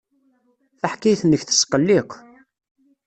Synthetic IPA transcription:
θaħkːajθənːəçθə̥sqəlːiqʷː

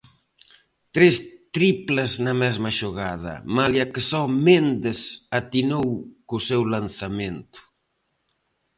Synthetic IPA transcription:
t̪ɾest̪ɾiplaznɐmɛzmɐʃoɣaðɐ̰maljakesɔmend̪esat̪inowkʊsɛwlanθamẽnt̪ʊ̥

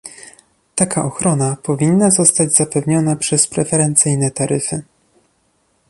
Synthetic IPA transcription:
t̪akʰaʔɔxɾɔnapɔvʲinːazɔst̪ad͡ʑz̥apɛvɲɔnapʂɛspɾɛfɛɾɛnt̪sɘjnɛt̪aɾɘfɘ̰

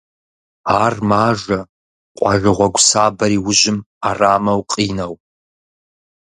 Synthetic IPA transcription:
aːrmaːʒɐ | qʷʼɑʒʷɨʁʷɔɡʷsaːbɐɾiːwʊʑɪm | araːmɐwqʼiːnɐw

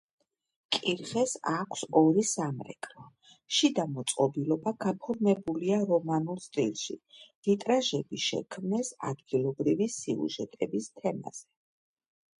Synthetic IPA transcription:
kʼiɾχɛsakʷʰsɔɾisamɾɛ̰kʰʼlɔ | ʃid̪amɔt̪sʼqʼɔbilˠɔbaɡ̥apʰɔɾmɛbuliaɾɔmanulˠst̪ʼilˠʃḭhit̪ʼɾaʒɛbiʃɛ̰kʰmnɛsa̰d̪ɡilˠɔbɾivisiṵʒɛt̪ʼɛbist̪ʰɛma̰z̥ɛ

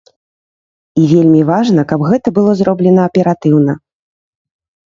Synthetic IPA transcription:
ivʲelʲmʲivaʐnɐkabɣɛt̪ɐbɨlˠɔzɾɔblʲɛnɐːpʲɛɾat̪ɨwn̪ɐ

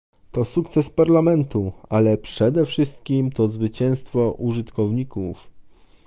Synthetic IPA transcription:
t̪ɔsukt̪sɛspaɾlamɛnt̪ualɛpʂɛd̪ɛfʂɘst̪̚kʲimt̪ɔzvɘt͡ɕɛ̃w̃st̪fɔʔuʐɘt̪kɔvɲikuf

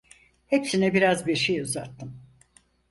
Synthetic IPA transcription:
hepsinɛbiɾazbiɾʃejuzat̪ʰːɯm

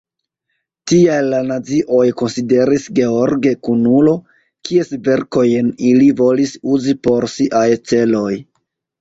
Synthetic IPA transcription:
tiajlanat͡siʔo̞jko̞nside̞ɾisɡe̞o̞ɾɡe̞kunulo̞ | kʰie̞sve̞ɾko̞jenilivo̞lisuzipo̞ɾsiʔajt͡se̞lo̞j

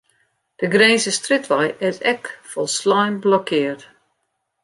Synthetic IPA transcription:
d̥əɡreːnsəstrɪtʋajʔɛzɛkfɔlˠslajnblɔkʰɪːrt

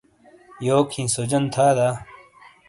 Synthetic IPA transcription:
joːkʰĩːsod͡ʑɐnt̪ʰaːd̪aː

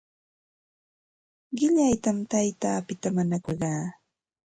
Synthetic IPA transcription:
ɢɪʎajt̪amt̪ajt̪aːpɪt̪amanakoɢɑː

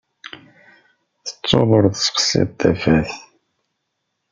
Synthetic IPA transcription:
θə̥t͡sˤːo̰ðˤəɾˤðsə̥qsɪ̰ð̚ˤt̪ːæfæθ

